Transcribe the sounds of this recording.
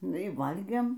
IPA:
ˈnʊ iː ˈʋɐlʲɡʲeːm

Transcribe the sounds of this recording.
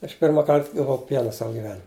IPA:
ɐʃ ˈpʲɪrmɐ ˈkɐrt ɡɐˈʋɐʊ ˈpʲiɛnɐ ˈsɑːʋɐ ɡʲɪˈʋʲæːnʲɪmʲ

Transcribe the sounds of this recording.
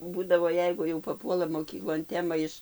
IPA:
ˈbuːdɐʋoː ˈjɛɪɡʊ jɛʊ pɐˈpuɔlˠɐ moːˈkʲiːklˠoːn ˈtʲæːmɐ ɪʃ

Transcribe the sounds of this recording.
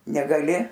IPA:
nʲɛɡɐˈlʲɪ

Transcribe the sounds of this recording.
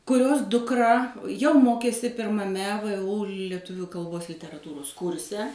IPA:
kʊˈrʲoːs dʊkˈrɐ jɛʊ ˈmoːkʲeːsʲɪ pʲɪrmɐˈmʲɛ ʋʊ lʲɛˈtʊʋʲʊ kɐlˠˈboːs lʲɪtʲɛrɐˈtuːroːs ˈkʊrʲsʲɛ

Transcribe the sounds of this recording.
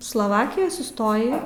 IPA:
slˠoːˈʋɑːkʲɪjoːj sʊˈstoːjɪ

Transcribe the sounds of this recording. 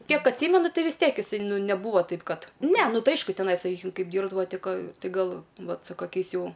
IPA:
ˈkʲiɛk ɐtʲˈsʲiːmʲɛnʊ ˈtɨ ʋʲɪs ˈtʲiɛk ɪˈsɐɪ ˈnʊ nʲɛˈbuːʋoː ˈtɐɪp ˈkɐt nʲɛ ˈnʊ ˈtɐɪ ˈɐɪʃkʊ tʲɛˈnɐɪ sɐˈkʲiːkʲɪm ˈkɐɪp ˈdʲiːrbdɐʋoː ˈtʲɪ ˈkɐ ˈtʲɪ ɡɐlˠ ˈʋɐt sʊ kɐˈkʲɛɪs ˈjɛʊ

